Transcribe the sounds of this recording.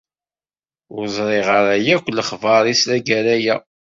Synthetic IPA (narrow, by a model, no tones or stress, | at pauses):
ʊɾzˤɾˤeʁəɾæjækʷːlːəχvɑɾˤisɾæɡæɾæjæ